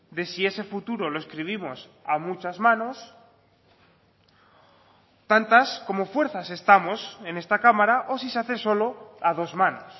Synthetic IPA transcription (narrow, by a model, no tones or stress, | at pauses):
d̪e̞sie̞se̞fut̪uɾo̞lo̞e̞skɾiβ̞imo̞s | amut͡ʃazmãno̞s | t̪ant̪asko̞mo̞fwe̞ɾθase̞st̪amo̞se̞ne̞st̪akamaɾaʔo̞siseaθe̞so̞lo̞aðo̞zmãno̞̰s